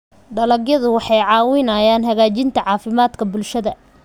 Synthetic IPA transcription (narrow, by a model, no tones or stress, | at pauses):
ɖɐlɐɡjɐðʊwɑħɑjʕɑːwɪnɐjaːnɦɐɣaːt͡ʃɪnt̪ʰɐʕɑːfɪmaːd̪kʰɐbʊlʃɐðɐ